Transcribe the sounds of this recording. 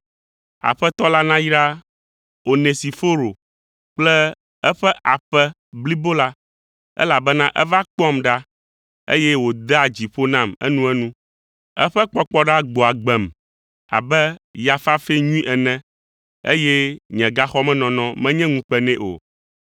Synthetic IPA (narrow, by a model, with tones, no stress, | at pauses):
a̰˨ɸɛ˦t̪ɔ˦la˦nã˦ji˦ɾa˦ | o˨ne˨si˨fo˦ɾo˨ | k͡plɛ˦ | ɛ˦ɸɛ˦ʔa˨ɸɛ˦ | bli˦bo˦la˦ | ɛ̰˦la˨bɛ˦nã˦ʔɛ˦va˦k͡pɔ˦mɖa˦ | ḛ˦jɛ˦wo˨d̪ɛ˦a˨d͡ʑi˨ɸo˦nã˦˨mɛ̰˦nũ˦ɛ˦nũ˦ | ɛ̰˦ɸɛ˦k͡pɔ˦k͡pɔ˦ɖa˦ɡ͡bo˨a˨ɡ͡bɛ˨m | a̰˨bɛ˦ja˨fa˦fe˦ɲũ˦ĩ˦ʔɛ˨nɛ̃˦ | ḛ˦jɛ˦ɲɛ̃˨ɡa˦xɔ˦mɛ̃˦nɔ̃˨nɔ̃˦mɛ̃˦ɲɛ̃˦ŋũ˦k͡pɛ˦nɛ̃˦ʔo̰˨